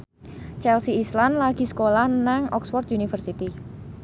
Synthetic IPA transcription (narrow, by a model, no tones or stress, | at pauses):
t͡ʃɛlsiislanlaɡ̥i̤sə̥kolahnaŋɔksfɔrt̪junifərsit̪i